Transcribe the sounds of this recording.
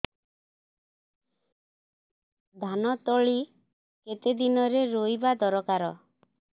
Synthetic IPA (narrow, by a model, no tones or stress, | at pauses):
d̪ʱanɔt̪ɔɭi | ket̪ed̪inɔɾeɾojbad̪ɔɾɔkaɾɔ